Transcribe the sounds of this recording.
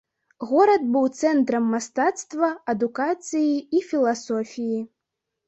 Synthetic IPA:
ɣɔɾɐd̪̚bɨwt̪sɛnt̪ɾɐmːast̪at̪st̪vɐɐd̪ukat̪sɨjiifʲilˠasɔfʲiji

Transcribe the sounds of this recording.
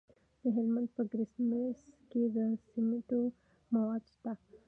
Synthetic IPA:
d̪əɦɪlmãnd̪̚pəɡɾɪsmesked̪əsimiʈo | mawad̪ʃt̪a

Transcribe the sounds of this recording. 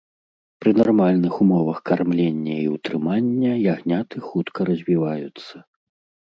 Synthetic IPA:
pɾɨnarmalʲnɨxumɔvɐxkarmlʲenʲːɐiwt̪ɾɨmanʲːɐjaɣnʲat̪ɨxut̪kɐɾɐzʲvʲivajut̪sːɐ

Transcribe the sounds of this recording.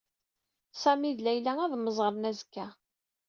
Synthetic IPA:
sæmiðlæjlææðməzˤʁəɾˤnæzkːæ

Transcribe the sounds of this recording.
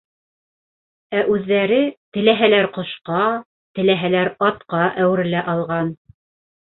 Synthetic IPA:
æʔʉðːæɾɘt̪ɘ̆læɦælæɾqŏʃqɑ | t̪ɘ̆læɦælæɾɑt̪qɑʔæwɘ̆ɾlæʔɑlˠʁɑn

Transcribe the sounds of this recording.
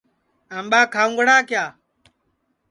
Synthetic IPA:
aːmɓaːkʰaːʊ̃ŋɡɽaːkjaː

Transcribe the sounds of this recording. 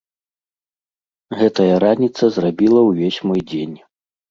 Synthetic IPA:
ɣɛt̪ɐjɐɾanʲit̪sɐzrabʲilˠɐwvʲesʲmɔjd͡zʲenʲ

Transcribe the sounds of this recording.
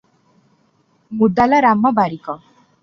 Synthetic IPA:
mud̪alaɾamɔbaɾikɔ

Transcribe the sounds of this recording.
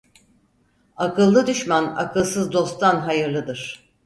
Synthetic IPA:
akʰɯlˠːɯd̪yʃmana̰kɯlˠsɯzd̪o̞st̪ʰanɦajɯɾlˠɯd̪ɯɾ̝̥

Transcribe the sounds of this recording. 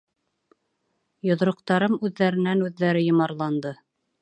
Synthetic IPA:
jŏðɾŏq̚t̪ɑɾɤmʉðːæɾɘ̆nænʉðːæɾɘjŏmɑɾlˠɑnd̪ɤ

